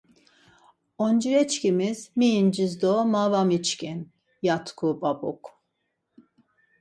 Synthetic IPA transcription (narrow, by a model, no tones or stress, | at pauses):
ond͡ʒiɾɛt͡ʃcimizmind͡ʒizd̪omavamit͡ʃkʲin | jat̪kʰubabuk